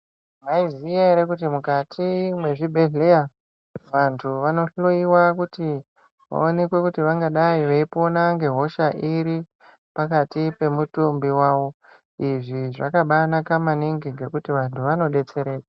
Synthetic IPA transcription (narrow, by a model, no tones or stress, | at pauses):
maizieɾekut̬imukatʰimwe̞ʐibʱe̞ɮe̞ja | ʋantʰuʋano̞ɬoiwakuti | ʋa̰o̞ne̞kwe̞kutiʋaŋɡaɗaiʋeipo̞naŋɡe̞ɦo̞ʃaʔiɾi | pakatipe̞mutumbiwaːʋo̞ | iʐiʐa̰kaɓanakamaniŋɡiŋɡe̞kutiʋantʰuʋano̞ɗe̞t͡se̞ɾe̞ːɗa